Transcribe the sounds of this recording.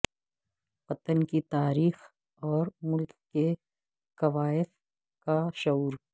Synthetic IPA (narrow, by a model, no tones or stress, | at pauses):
pɐt̪ənkit̪aːɾiːx | ɔːɾmʊlkːe | kɐʋaːɪf | kaʃɐuːɾ